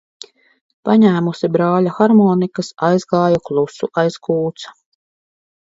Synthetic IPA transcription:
paɲæːmusibɾaːlʲaxaɾmɔːnikasajzɡaːjuklˠusuʔajskuːt̪sɐ̥

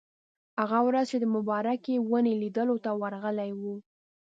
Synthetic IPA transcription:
haɣawɾazt͡ʃed̪əmʊbɑɾakewənelid̪əlot̪awaɾɣəlajwu

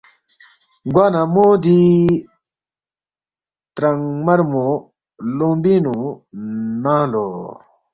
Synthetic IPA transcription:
ɡwanamod̪i | t̪ɾaŋmaɾmo | loŋbinu | naŋlo

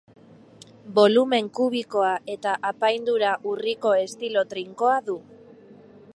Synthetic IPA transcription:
bo̞lume̞ŋkuβ̞iko̞aʔe̞t̪aʔapajnd̪uɾaʔuriko̞e̞st̪ilo̞t̪ɾiŋko̞aðu

